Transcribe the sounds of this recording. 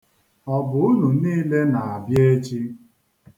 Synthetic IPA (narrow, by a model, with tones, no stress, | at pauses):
ɔ˦bʊ˨ʊ˦nu˨niː˦le˦na˨a˨bje˦t͡ʃi˦